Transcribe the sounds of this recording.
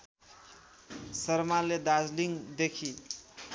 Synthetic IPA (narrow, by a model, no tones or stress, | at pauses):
sʌɾmaled̪ad͡zliŋd̪ekʰi